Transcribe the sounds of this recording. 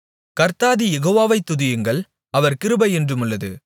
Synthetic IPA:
kɐɾt̪aːðijɛɣoːʋaːʋɐɪt̪ːʊðɪjɯŋɡɐɭ | ɐʋɐɾkɪɾɯbɐɪɛndrɯmɯɭːɐðɯ̰

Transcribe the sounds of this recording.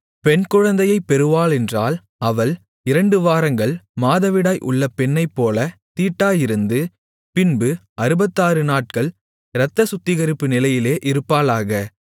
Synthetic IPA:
pɛɳkʊɻɐnd̪ɐjɐɪpːɛɾɯʋaːlɛndraːl | ɐʋɐɭ | ɪɾɐɳɖɯʋaːɾɐŋɡɐɭmaːðɐʋɪɽaːjʔʊ̰ɭːɐpɛɳːɐɪpːoːlɐt̪iːʈːaːjɪɾɯnd̪ɯ | pɪnbɯ | ɐɾɯbɐt̪ːaːɾɯnaːʈ̚kɐɭ | ɾɐt̪ːɐsʊt̪ːɪɣɐɾɯpːɯnɪlɐjɪleːʔɪɾɯpːaːlaːɣɐ

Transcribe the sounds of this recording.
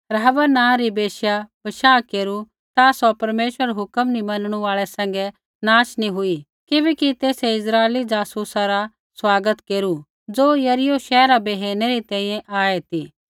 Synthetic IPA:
pɾɦɐbənãːɾibeːʃjabɐʃaːkeːɾu | t̪asɔpɐɾmeːʃwəɾɦʊkəmnimɐnɽ̃uaːɭɛsɛ̃ŋ̆ɡɛ | naːʃnĩɦʊi | kɪbɛkit̪eːseɪsɾaːelid͡zaːsusaɾa | swaːɡət̪keːɾu | d͡zoːjɐɾɪjoʃɛːɾabeːɦeːneɾit̪ɛ̃ːĩːjɛ̃ʔaːet̪iː

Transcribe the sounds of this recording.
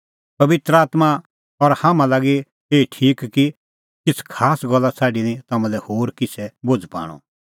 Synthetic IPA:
pɐʋɪt̪ɾəaːt̪ma | ɔɾhamãlaːɡi | eːiʈʰiːkki | kɪt͡sʰkʰaːsɡɐlːat͡sʰaːɖinĩt̪aːmãlɛhoːɾkɪt͡sʰɛbod͡zpa̰ːɽ̃ɔ̰

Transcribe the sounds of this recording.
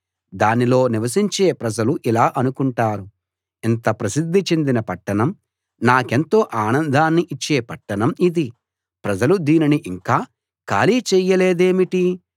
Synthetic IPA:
d̪aːnilo̞ːniʋɐs̬iɲt͡ʃe̞ːpɾɐd͡ʒɐluʔilaːʔɐnukuɳʈaːɾu | int̪ɐpɾɐsid̪ʱːit͡ʃe̞nd̪inɐpɐʈːɐɳɐm | naːke̞nt̪o̞ːʔaːnɐnd̪ʱaːnːiʔit͡ʃːe̞ːpɐʈːɐɳɐmid̪i | pɾɐd͡ʒɐlud̪iːniniʔiŋkaː | ka̰ːliːt͡ʃɛjːɐle̞ːd̪e̞ːmiʈi

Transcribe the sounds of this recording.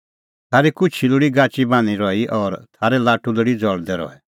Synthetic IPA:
t̪ʰaːɾikʊt͡ʃʰilʊɽiɡaːt͡ʃibaːñiɾɔiʔɔːɾt̪ʰaːɾɛlaːʈuləɽid͡zɔɽd̪ɛɾɔ̰ɛ

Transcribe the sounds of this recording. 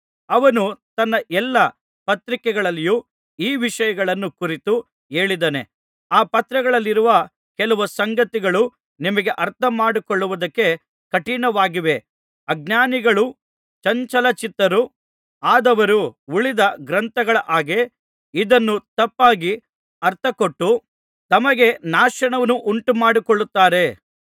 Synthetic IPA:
ɐʋɐnut̪ɐnːɐʔɛlːɐ | pɐt̪ɾikɛɡɐɭɐlːiju | iːʋiʂɐjɐɡɐɭɐnːukuɾit̪u | e̞ːɭid̪ɐne | aːpɐt̪ɾɐɡɐɭɐlːiɾuʋɐ | kɛlɐʋusɐŋɡɐt̪iɡɐɭu | nimɐɡe̞ʔɐɾt̪ʰɐmaːɽikoɭːuʋud̪ɐkːe̞ | kɐʈiɳɐʋaːɡiʋe̞ | ɐɡ̚naːniɡɐɭu | t͡ʃɐɲt͡ʃɐlɐt͡ʃit̪ːɐɾu | aːd̪ɐʋɐɾuuɭid̪ɐɡɾɐnt̪ɐɡɐɭɐʔaːɡe | id̪ɐnːut̪ɐpːaːɡi | ɐɾt̪ʰɐkoʈːu | t̪ɐmɐɡe̞naːʂɐɳɐʋɐnuʔuɳʈumaːɽikoɭːut̪ːaːɾe̞

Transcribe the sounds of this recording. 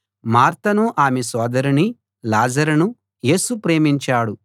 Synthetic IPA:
maːɾt̪ɐnuʔaːmesɔːd̪ɐɾuni | laːd͡ʒɐɾunu | je̞ːsupɾe̞ːmiɲt͡ʃaːɽu

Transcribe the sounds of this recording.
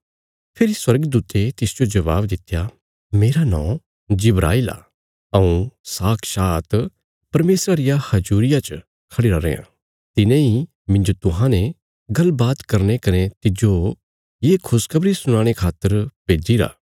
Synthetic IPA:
pʰɪɾiswɐɾɡd̪uːt̪et̪ɪsd͡ʒod͡ʒɐβa̰ːbd̪ɪt̪ja | meːɾanɔ̰̃ː | d͡ʒɪbɾʔa̰ːila̰ | ɐũsaːkʰʃaːt̪ | pɐɾmeːsɾaɾɪjahɐd͡ʒuːɾɪjat͡ʃ | kʰɐɽiɾaɾḛːã̰ | t̪ɪnẽi | mɪ̃d͡ʒot̪ʊɦãne | ɡɐlbaːt̪kɐɾnekɐnet̪ɪd͡ʒo | jeːkʰʊskʰɐbɾisʊɽ̃aːɽ̃ekʰaːt̪ːəɾpeːd͡ʒiɾa̰ː

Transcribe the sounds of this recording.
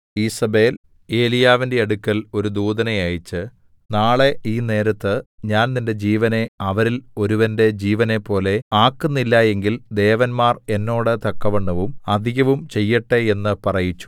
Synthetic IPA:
iːsɐbe̞ːl | e̞ːlijaːʋinde̞ɐɽukʲːɐlo̞ɾud̪uːd̪ɐnɐjɐjit͡ɕːɨ | naːɭe̞ʔiːne̞ːɾɐt̪ːɨɲaːnninde̞d͡ʑiːʋɐne̞ɐʋɐɾilo̞ɾuʋɐnde̞d͡ʑiːʋɐne̞pːo̞ːle̞aːkːunːilːɐje̞ŋɡild̪e̞ːʋɐnmaːre̞nːo̞ːɽɨt̪ɐkːɐʋeɳːɐʋumɐd̪ʱiɣɐʋumt͡ɕe̞jːiʈːee̞nːɨpɐrɐjit͡ɕːu̥

